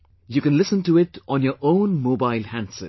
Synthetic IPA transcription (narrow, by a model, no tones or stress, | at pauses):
jukɛ̃nlɪsə̃ntuɪʈʔɔ̃njəɹʔõʊ̃nmoːbaɪlˠhæ̃nsə̰̃